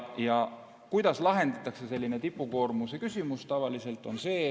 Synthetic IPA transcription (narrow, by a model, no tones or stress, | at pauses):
jɑ | kujd̪̥ɑslɑɦe̞nd̪ɑt̪ːˑɑkse̞se̞lʲːine̞t̪ipːˑuko̞ːrmusekysʲimust̪ɑvɑlise̞lt̪ːˑo̞nse̞ː